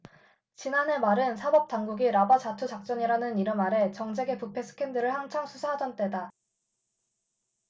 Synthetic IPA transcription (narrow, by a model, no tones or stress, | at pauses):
t͡ɕinanɦe̞maɾɯnsʰabʌp̚t͈aŋɡuɡiɾabad͡ʑatʰud͡ʑak̚t͡ɕ͈ʌɲiɾanɯniɾʌnmaɾe̞t͡ɕʌŋd͡ʑe̞ɡe̞pupʰe̞s͈ʰɯ̥kʰe̞ndɯɾɯɭhaŋt͡ɕʰʌŋsʰusʰaɦad͡ʑʌnt͈e̞da